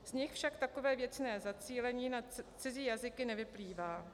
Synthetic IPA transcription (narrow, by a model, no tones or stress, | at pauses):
z̥ɲɪxfʃakt̪ako̞vɛːvjɛt͡snɛːzat͡siːlɛɲiːnat͡sɪziːjazɪkɪnɛvɪpliːvaː